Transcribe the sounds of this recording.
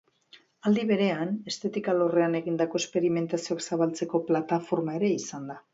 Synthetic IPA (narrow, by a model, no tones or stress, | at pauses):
ald̪iβe̞ɾe̞ane̞st̪e̞t̪ikalo̞re̞ane̞ɣind̪ako̞e̞spe̞ɾime̞nt̪asioaksaβalt͡se̞ko̞plat̪afo̞ɾmae̞ɾe̞isand̪a